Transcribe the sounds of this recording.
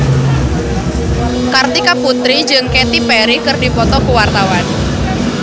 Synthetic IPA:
kart̪ikaput̪ɾid͡ʒɨŋket̪ipɛɾikərdipɔt̪ɔkuwart̪awan

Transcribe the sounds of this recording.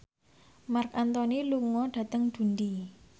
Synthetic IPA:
markant̪ɔniluŋɔɖ̥ä̤t̪əŋd̪̥ṳnd̪i

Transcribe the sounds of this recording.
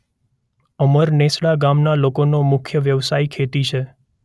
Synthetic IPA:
əməɾnesɭaɡamnalokonomʊkʰjəʋjəʋsaikʰet̪it͡ʃʰe

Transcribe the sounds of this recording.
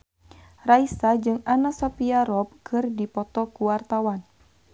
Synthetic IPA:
raisad͡ʒɨŋanasɔpiaɾɔp̚kʰɨrdipɔt̪ɔkuwart̪awan

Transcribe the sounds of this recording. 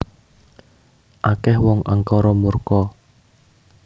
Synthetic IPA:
ʔakɛhwɔŋʔəŋkɔɾɔmurkɔ

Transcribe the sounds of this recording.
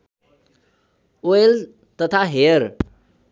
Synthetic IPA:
oel | t̪ʌt̪ʰaɦeəɾ

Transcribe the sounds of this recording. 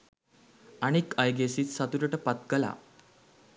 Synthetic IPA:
aɽ̃ikajɡesiːt͡ssat̪uɾəʈəpat̪ɡəla̰

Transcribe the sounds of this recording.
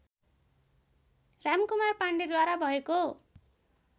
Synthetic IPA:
ramkumarpaɳɖid̪waɾabʱʌeko

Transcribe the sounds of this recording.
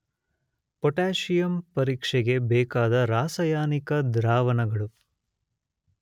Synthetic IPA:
pɔʈaːʂijɐmpɐɾiːkʂɛɡe̞bɛːkaːd̪ɐɾaːsɐjaːnikɐd̪ɾaːʋɐnɐɡɐɭu

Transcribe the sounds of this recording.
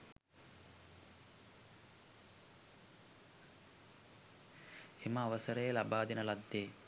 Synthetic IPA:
emɐːʋɐsəɾejɐlabaːd̪inɐlad̪ːeː

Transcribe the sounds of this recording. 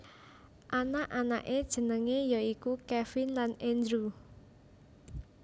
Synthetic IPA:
ʔanaʔana̰ʔed̥ʒ̥ə̤nəŋejɔikukɛfɪnlanɛnd̪ɾu

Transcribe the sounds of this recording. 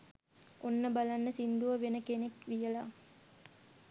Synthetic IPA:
ʔonːəbalanːəsind̪uʋəʋenəkenekʋijəla

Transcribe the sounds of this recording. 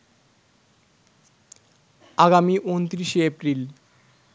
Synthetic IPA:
aɡamiʔont̪ɾiʃeepɾil

